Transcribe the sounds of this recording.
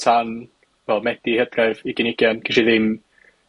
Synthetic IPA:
tʰan | vɛlˠmɛd̥ihəd̥rɛviɡɪnɪɡjankʰɪʃiðɪm

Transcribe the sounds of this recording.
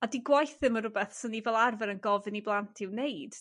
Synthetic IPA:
adiɡwajθɨməɾʊbɛθsənivɛlˠarvɛɾənɡɔvɨniblˠantʰɪwneɨd̥

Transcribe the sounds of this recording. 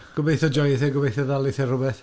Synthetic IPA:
ɡ̥ʊbejθɔd͡ʒɔjθɛɡʊbejθɔðalˠɪθɛrʊbɛθ

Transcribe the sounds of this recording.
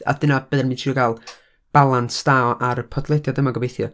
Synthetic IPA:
a̰d̥ənab̥ɨðnmitʰiɔɡalˠ | b̥alˠansdaɔʔaɾəpʰɔdlˠɛdjadəmaɡɔbejθjɔ

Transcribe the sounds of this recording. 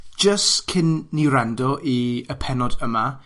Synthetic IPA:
d̥ʒ̥əstkʰɪnːɪwɾandɔʔiəpʰɛnɔdəma

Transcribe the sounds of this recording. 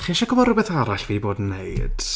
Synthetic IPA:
χiːʃaɡɔmɔrʊbɛθaɾaɬvidiboːdn̩ːḛɨd̥

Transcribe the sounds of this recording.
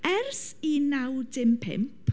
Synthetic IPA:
ɛrsinawdɪmpʰɪ̰mpʰ

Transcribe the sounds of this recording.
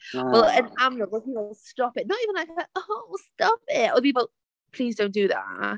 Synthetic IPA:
wɛlˠɪ̃nãmɹədʌznəstɔpɪt̚ⁿnətiːvə̃nlaɪkaoʊstɔpɪtə̰əpʰipəl̩ˠ | pʰl̥iːzdõʊ̃nd̥ɨða̰ʔ

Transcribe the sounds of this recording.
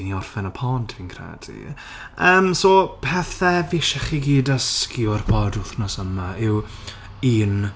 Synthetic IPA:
niɔrfɛnəpʰɔːntʰviːnkʰrɛ̰ːdʰḭ | əːmsoːpʰɛθɛviʃɛχiɡiːdəskjʊrpʰɔdʊθnɔsəmaʔɪw | iːn

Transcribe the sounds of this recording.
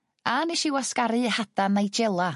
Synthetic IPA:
aniʃɪwaskaɾɨhad̥anejd͡ʒɛlˠa

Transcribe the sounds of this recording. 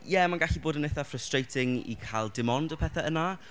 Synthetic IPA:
jɛmanɡaɬiboːdənejθafrəstrejtʰɪŋḭkʰajlˠdɪmɔndəpʰɛːθaəna

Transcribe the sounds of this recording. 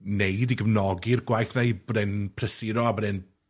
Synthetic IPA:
neɨdiɡəvnɔɡɪrɡwajθneɨðbɔdɛnpʰrəsɪɾɔabɔdɛn

